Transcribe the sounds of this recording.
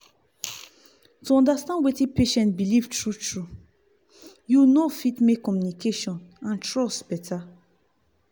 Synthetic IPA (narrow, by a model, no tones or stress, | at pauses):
tuɔ̃ndastãndwetĩpeʃɛ̃ntbilivtʰɹutʰɹu | junofitmekːɔmjunikʰeʃɔ̃nãntɹɔsbɛtʰa